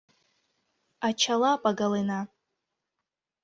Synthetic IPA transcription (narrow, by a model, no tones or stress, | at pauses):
at͡ʃʰalapʼaɡalena